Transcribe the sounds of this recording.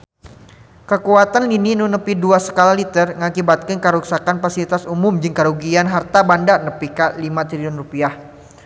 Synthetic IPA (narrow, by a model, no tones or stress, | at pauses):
kəkuat̪anlininunəpiduasə̥kalalit̪ərŋakibat̪̚kɪnkəɾuksakanfasilit̪asumʊmd͡ʒɨŋkaɾuɡianɦart̪abandanəpikalimat̪ɾiʊnrupiah